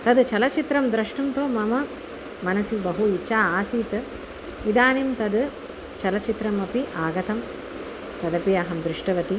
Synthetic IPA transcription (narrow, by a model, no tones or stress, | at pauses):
t̪ɐd̪t͡ʃɐlɐt͡ʃit̪ɾɐmd̪ɾɐʂʈumt̪oːmɐmɐ | mɐnɐsibɐɦuit͡ʃaːaːsiːt̪ɨ | ʋid̪aːnimt̪ɐd̪ | t͡ʃɐlɐt͡ʃit̪ɾɐmɐpiʔaːɡɐt̪ʰɐm | t̪ɐd̪ɐpiɐɦɐmd̪ɾɪʂʈɐʋɐt̪i